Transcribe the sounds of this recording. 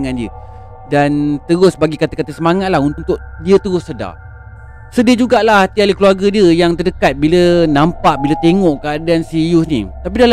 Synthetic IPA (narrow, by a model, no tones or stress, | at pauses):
ŋandiə̰ | dant̪əɾʊsbaɡikat̪əkat̪əsəmaŋat̪̚lahunt̪t̪ʊk̚diət̪əɾʊsːəda̰ | sədiəd͡ʒuɡaʔlahat̪ialikluarɡədiəjaŋt̪ərdəkat̪̚bilənãmpaʔbilət̪eŋɔʔkəadaansijusnḭt̪ap̬idal